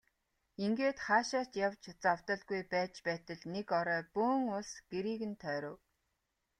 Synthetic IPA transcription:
iŋɡeːt̪χaːʃaːt̪jawt͡ɕt͡saw̥t̪ə̆ɮɡujpæːt͡ɕpæːt̪ə̆ɮnekɔɾœːpuːŋʊɮsɡ̥eɾiːɣɘ̆nt̪ʰœːɾʊ̆ːw

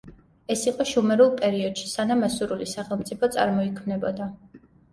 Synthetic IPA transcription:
ɛsiqʼɔʃumɛɾulˠpʼɛɾiɔd̪̥ʃi̥sanamasuɾulisaχɛlˠmt̪sʼipʰɔt̪sʼa̰ɾmɔikʰmnɛbɔd̪a

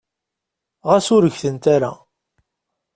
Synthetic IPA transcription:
ʁæsʊɾəʝθənt̪aɾa̰

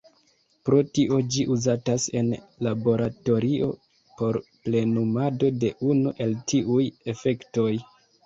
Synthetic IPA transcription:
pɾo̞tiʔo̞d͡ʒiʔuzatase̞̰nlabo̞ɾato̞ɾio̞̰ | po̞ɾple̞numado̞de̞ʔunuʔe̞ltiʔuje̞fe̞kto̞j

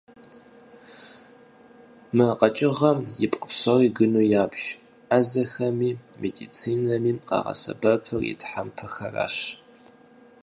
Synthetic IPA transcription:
mɨqɐt͡ʃʼɪʁɐmjɪpʼqʼə̥psɐriːɡɨnuːjaːbʒ | azɐxɐmiːmedit͡sʰiːnɐmiːmqɑ̰ʁɐ̰sɐ̰bɐpʰɨrḭtħampʰɐxɐra̰ːɕ

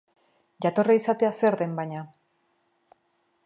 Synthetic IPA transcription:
ʝat̪o̞raisat̪e̞ase̞ɾðe̞mbaɲa

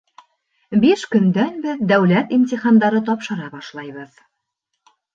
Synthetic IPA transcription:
biʃkɵ̆nd̪ænbɘðd̪æwlæt̪imt̪ʲiχɑnd̪ɑɾɤt̪ɒpʃɤ̆ɾɑbɑʃlˠɑjβɤð

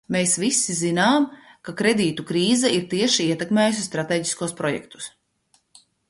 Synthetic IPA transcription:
meːsvisːizinaːmkakɾed̪iːt̪ukɾiːzɛiɾt̪iɛʃiiɛt̪ɛkmeːjus̬ʲist̪ɾat̪eːɟi̥skuɔspɾɔjɛ̰k̚t̪u̥s

